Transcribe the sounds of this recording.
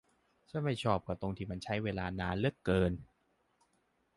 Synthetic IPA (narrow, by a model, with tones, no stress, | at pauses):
sʰɯ˥˩˨jma˥˩jt͡ɕʰɔː˥˩p̚kʰa˧˩t̪o˧ŋt̪ʰiː˧ma˧nt͡ɕʰa˦˥jweː˧laː˧naː˧nlɯ˥˩kːɤː˧n